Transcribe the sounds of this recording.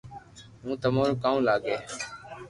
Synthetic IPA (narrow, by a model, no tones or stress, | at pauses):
ɦũːt̪əmaːɾoːkaːũːlaːɡeː